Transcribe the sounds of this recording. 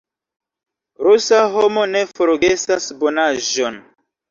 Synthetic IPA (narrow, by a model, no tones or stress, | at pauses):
ɾusaɦo̞mone̞foɾɡe̞sasbonaʒon